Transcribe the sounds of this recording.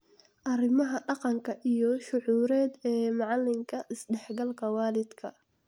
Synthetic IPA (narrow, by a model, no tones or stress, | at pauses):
ʔɐrɪmɐɦɐɖɑqɑŋkʰɐʔijɞʃʊʕuːɾɛːd̪ɛːmɑʕɑlːɪŋkʰɐʔɪsɖɛħɡɐlkʰɐwɑːlɪd̪kʰɐ